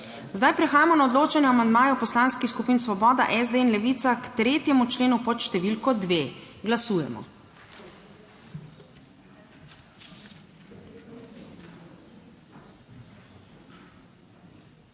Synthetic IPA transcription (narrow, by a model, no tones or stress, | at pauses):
zd̪ajpɾɛxaːjamɔnaod̪loːt͡ʃanjɛamand̪maːjɔpɔslaːnskixskupiːnsʋɔbɔːd̪a̰ʔɛzd̪einlɛʋit̪sakt̪ɾeːt̪jɛmut͡ʃleːnupɔt̪ʃt̪ɛʋilkɔd̪ʋeːɡlasuːjɛ̰mɔ̰